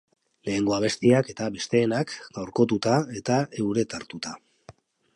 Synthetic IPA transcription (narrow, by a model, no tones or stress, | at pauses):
le̞ːŋɡo̞aβ̞e̞st̪iake̞t̪aβe̞st̪e̞ːnakɡ̥awɾko̞t̪̬ut̪ae̞t̪ae̞wɾe̞t̪aɾt̪ut̪a